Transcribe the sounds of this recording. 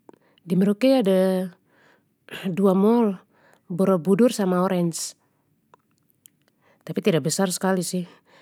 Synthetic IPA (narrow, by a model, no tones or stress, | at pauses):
dimɛɾɔkɛada | duamɔl | bɔɾɔbudursamaɔɾɛns | t̪apit̪idak̚bɛsarsə̥kalisih